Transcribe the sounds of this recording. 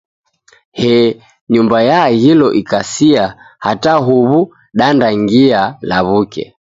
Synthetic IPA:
hɛ | ɲumbajahilɔʔikasia | hataɦuβu | ɗandaŋɡialaβukɛ̰

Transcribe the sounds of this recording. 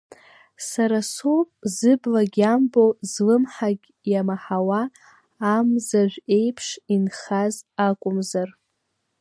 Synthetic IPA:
saɾasopʼzɨblaɡʲambozlɨmħaɡʲ | jamaħawaː | mzaʒʷᶣe̞jpʰʂinχazakʷʼʊmzar

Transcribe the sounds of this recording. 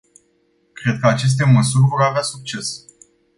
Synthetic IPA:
kɾe̞d̪̚kəat͡ʃe̞s̬t̪e̞məsurʲvo̞ɾaveasuk̚t͡ʃe̞s

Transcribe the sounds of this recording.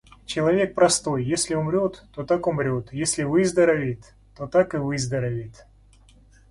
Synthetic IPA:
t͡ɕɪlˠɐvʲe̞k̚pɾɐst̪o̞jːesʲlʲɪʊmɾʲo̞t̪ːo̞t̪akʊmɾʲo̞t̪jesʲlʲɪvɨzd̪əɾɐvʲit̪ː | o̞t̪akɨvɨzd̪əɾɐvʲit̪ʲ

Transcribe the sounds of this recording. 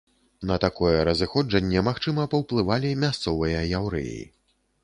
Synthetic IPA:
nɐt̪akɔjɛɾɐzɨxɔd͡ʐɐnʲːɛmaxt͡ʂɨmɐpɐwplˠɨvalʲimʲast̪sɔvɨjɐjawɾɛ̰j̰ḭ

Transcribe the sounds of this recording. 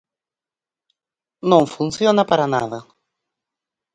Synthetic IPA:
nõŋfunθjonɐpaɾɐnaðɐ

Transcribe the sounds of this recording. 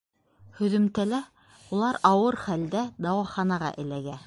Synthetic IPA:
hɵ̆ðɵ̆mt̪ælæ | ulˠɑɾɑwɤɾχæld̪æd̪ɑwɑχɑnɑʁɑ̰ʔɘ̆læɡæ

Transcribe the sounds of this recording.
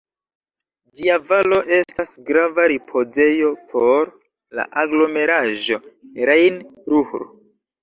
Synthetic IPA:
d͡ʒiavalo̞ʔe̞stasɡɾavaɾipʰo̞ze̞jo̞pʰo̞ɾ | la̰ʔaɡlo̞me̞ɾaʒo̞ɾajnɾuhɾo

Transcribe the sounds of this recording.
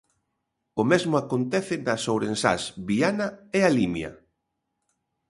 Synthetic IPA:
ʊmezmʊakont̪ɛθɪnɐsowɾensa̰sβianɐɛalimjɐ̰

